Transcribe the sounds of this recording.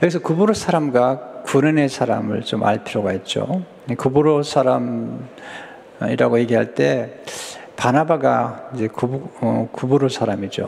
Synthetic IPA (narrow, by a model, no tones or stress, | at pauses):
jʌɡis̬ʰʌkuboɾosʰaɾamɡwakunɯne̞sʰaɾa̰mɯ̰ɭt͡ɕoma̰ɭpʰiɾʌɡaɦe̞t̚t͡ɕ͈o̰ | kuboɾosʰaɾam | iɾaɡoje̞ɡiɦaɭt͈e̞ | panabaɡaid͡ʑe̞kukuboɾosʰaɾamid͡ʑo̰